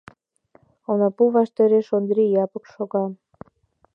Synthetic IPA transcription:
onɑpuβɑʃt̪eɾeʃond̪ɾijɑpəkʃoɣɑm

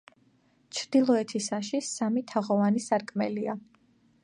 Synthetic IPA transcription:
t͡ʃʰd̪̥ilˠɔɛt̪ʰisaʃisamit̪ʰaʁɔvanisaɾkʼmɛlia

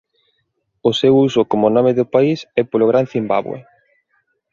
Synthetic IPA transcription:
osewusokomonɔmeðopaisɛpoloɣɾanθimba̰βwḛ

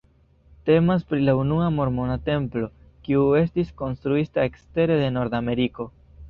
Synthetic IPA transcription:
te̞maspɾilaunuamo̞ɾmo̞nate̞mplo̞ | kiue̞stisko̞nst̪ɾuitae̞kste̞ɾe̞de̞no̞ɾdame̞ɾiko̞

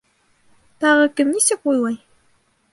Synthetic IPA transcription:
t̪ɑʁəkɘmnisɘk̚ujlˠɑj

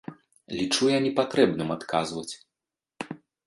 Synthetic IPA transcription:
lʲit͡ʂujanʲɛpat̪ɾɛbnɨmat̪kʰazvɐt͡sʲ

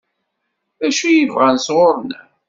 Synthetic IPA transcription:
æʃijəvʁænsʁʊɾˤn

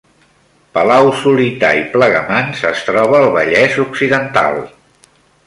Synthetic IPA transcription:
pəlawsulit̪a̰ipləɣəmansəst̪ɾɔβ̞əːlˠβəʎɛzuksiðənt̪a̰lˠ

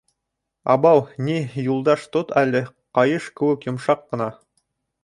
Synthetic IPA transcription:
ɑbɑwnijulˠd̪ɑʃt̪ot̪ælɘqɑjɤʃkɘ̆wɘkjŏmʃɑqːɤ̆nɑ

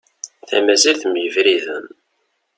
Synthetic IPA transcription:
θæmæzilθmjəvɾiðən

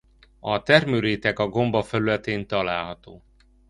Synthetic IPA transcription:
ɒt̪ɛrmøɾeːt̪ɛkɒɡo̞mbɒfɛlylɛt̪eːnt̪ɒlaːlɦɒt̪oː

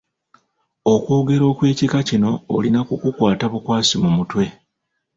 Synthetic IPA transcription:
o̞kwo̞ːɡe̞ɾo̞ːkwe̞ːcikacino̞ːlinakukukwaːtaβukwaːsimumutwe̞

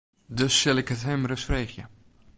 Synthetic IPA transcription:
døsːɪlɪkətɦɛmrəsfreːxjə

